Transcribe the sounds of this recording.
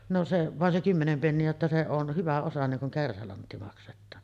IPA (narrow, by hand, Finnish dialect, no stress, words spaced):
no se ʋɑˑen se kymːenem penːiæ jotːɑ se on hyʋæ osɑ niŋ kuŋ kærsælɑntːi mɑksetˑɑːn